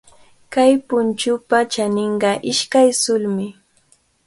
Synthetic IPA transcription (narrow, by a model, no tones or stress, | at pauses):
kajpʊnt͡ʃʊpat͡ʃanɪɴɢɑʔɪʃkajsʊlmɪ